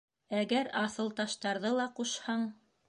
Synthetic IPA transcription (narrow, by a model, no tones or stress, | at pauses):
æɡæɾɑθɤ̆lˠt̪ɑʃt̪ɑɾðɤlˠɑquʃhɑɴ